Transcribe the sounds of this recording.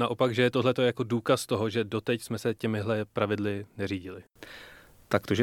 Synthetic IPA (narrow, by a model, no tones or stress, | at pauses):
naʔo̞paɡʒɛjɛt̪oɦlɛt̪ojako̞duːkast̪o̞ɦo̞ʒɛdo̞t̪ɛcsmɛsɛcɛmɪɦlɛpɾavɪdlɪnɛriːɟɪlɪ | t̪akt̪oʒɛ